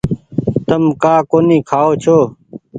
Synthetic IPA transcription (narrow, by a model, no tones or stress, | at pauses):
t̪əmkaːkoːniːkʰaːoːt͡ʃʰoː